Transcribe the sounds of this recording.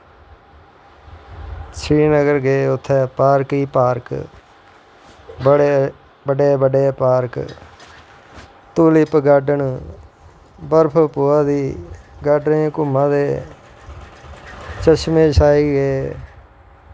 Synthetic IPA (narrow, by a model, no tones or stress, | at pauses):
t͡ʃʰɾiːnəɡəɾɡeːʊt̪ʰːɛːpaːɾkiːpaːɾk | bəɽe | bəɖeːbəɖeːpaːɾk | t̪uːlipɡaːɖəɳ | bəɾpʰpoːaːd̪iːɡaːɖnekʊmãːd̪eː | t͡ʃəʃmẽːsaːiːɡeː